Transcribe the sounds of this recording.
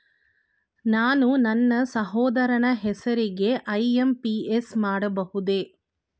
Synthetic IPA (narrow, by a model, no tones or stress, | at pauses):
naːnunɐnːɐsɐɦɔːd̪ɐɾɐɳɐɦɛsɐɾiɡe̞ʔɐjempiesmaːɽɐbɐhud̪e̞ː